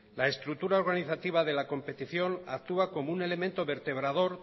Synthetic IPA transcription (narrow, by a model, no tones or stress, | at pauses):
lae̞st̪ɾukt̪uɾaoɾɣaniθat̪iβaðe̞lako̞mpe̞t̪iθjo̞nak̚t̪uako̞moune̞le̞mẽnt̪o̞βe̞ɾt̪e̞βɾaðo̞ɾ